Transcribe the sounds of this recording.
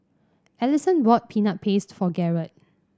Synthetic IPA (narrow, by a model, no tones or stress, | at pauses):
ɛlisə̃nwɔt̚pʰinap̚pʰestfɔɡɛɹət̚